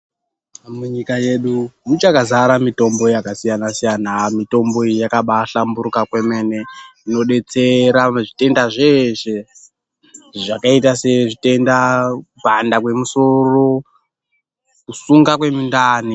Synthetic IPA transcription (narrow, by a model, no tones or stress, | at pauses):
muɲikaje̞ɗumut͡ʃakazaɾamito̞mbo̞jakasijanasijanamito̞mbo̞ijakaɓaɬambuɾukakwe̞me̞ne̞ino̞ɗe̞t͡seɾaʐite̞ndaʐeʃe | ʐakaitase̞ʐite̞ndakupandakwe̞muso̞ro̞ | kusuŋɡakwe̞mindaːni